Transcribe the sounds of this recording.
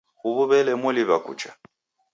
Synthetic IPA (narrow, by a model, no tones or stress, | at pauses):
ɣuβuβɛlɛmʊliβakʼṵt͡ʃʰʼḁ